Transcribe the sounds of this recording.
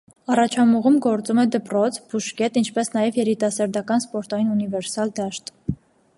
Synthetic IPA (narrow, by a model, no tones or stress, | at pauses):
ɑrɑt͡ʃʰɑmuʁumɡɔɾt͡sumɛd̪əpɾɔt͡sʰb̥uʃkɛt̪int͡ʃʰpɛsnɑjɛvjɛɾit̪ɑsɑɾd̪ɑkɑnspɔɾt̪ɑjinunivɛɾsɑld̪ɑʃt̪